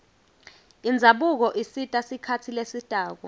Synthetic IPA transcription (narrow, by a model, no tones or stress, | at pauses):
ind͡zʱaɓuk̬ɔʔisitʼasikʰatʰilesid̥ʱʼaːk̬ɔ